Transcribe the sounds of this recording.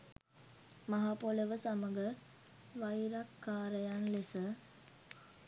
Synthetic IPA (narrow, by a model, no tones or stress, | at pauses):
maɦapoləʋəsaməɡə | ʋajɾakːaːɾəjanlesə